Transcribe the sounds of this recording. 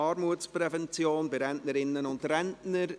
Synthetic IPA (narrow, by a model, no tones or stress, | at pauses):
ɑːɾmuətspɾɛvɛnt͡sjoːnbɪɾɛntnəɾɪnːənʊntɾɛntnəɾ